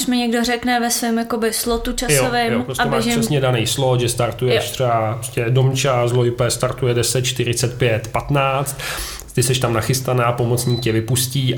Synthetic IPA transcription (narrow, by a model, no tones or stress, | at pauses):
ʃmɪɲɛɡdorɛknɛvɛsvɪmjakobɪslot̪ut͡ʃasjoovɪjompɾosaɛbmːʒsɛsɲɛdanɛjslot̪ʒɛst̪aɾt̪ujɛʃt̪r̥ɛaɾoscɛdomt͡ʃazlojpɛst̪aɾt̪ujɛdɛsɛt̪̚t͡ʃt̪ɪɾɪt͡sɛt̪pjɛt̪pat̪naːt͡st̪ | t̪ɪsɛʃt̪amnaxɪst̪anaːpo̞mot͡sɲiːk̚cɛvɪpusciː